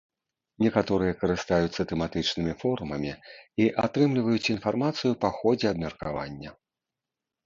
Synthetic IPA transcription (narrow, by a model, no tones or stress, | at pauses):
nʲɛkat̪ɔɾɨjɐkɐɾɨst̪ajut̪sːɐt̪ɛmat̪ɨt͡ʂnɨmʲifɔɾumɐmʲiiʔat̪ɾɨmlʲivɐjut͡sʲinfarmat̪sɨjupaxɔd͡zʲɛɐb̚mʲɛrkava̰nʲːɐ